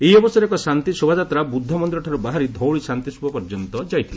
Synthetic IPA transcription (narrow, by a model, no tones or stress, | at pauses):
eiɔbɔsɔɾɛkɔsant̪isobʱad͡ʒat̪ɾabud̪ʱːɔmɔnd̪iɾɔʈʰaɾubaɦaɾid̪ʱɔwɭisant̪isubʱapɔɾd͡ʒɔnt̪ɔd͡ʒajt̪ʰile